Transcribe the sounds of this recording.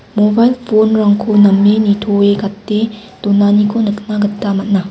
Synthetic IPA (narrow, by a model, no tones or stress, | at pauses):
mobajlpʰonɾaŋkʰonɐmːenit̪ʰoekat̪ːet̪onanikʰonɯk̚naɡɯt̪ːamɐt̪̚na